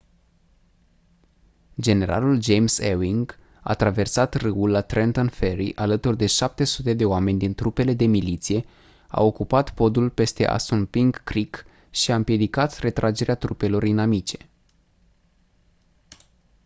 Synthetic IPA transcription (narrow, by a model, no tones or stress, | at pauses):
d͡ʒe̞ne̞ɾa̰luld͡ʒe̞jmsewiŋɡ | a̰t̪ɾave̞rsat̪rɨulːat̪ɾʔent̪onfe̞ɾḭʔalət̪urd̪e̞ʃap̚t̪e̞sut̪e̞d̪e̞oame̞nʲd̪int̪ɾupe̞le̞d̪e̞milit̪sije̞ | a̰o̞kupat̪po̞d̪ulpe̞st̪e̞̰ʔa̰sunpiŋɡːɾik | ʃiaɨmpije̞d̪ikat̪re̞t̪ɾʔad͡ʒe̞ɾeat̪ɾupe̞lo̞rinamit͡ʃe̞̥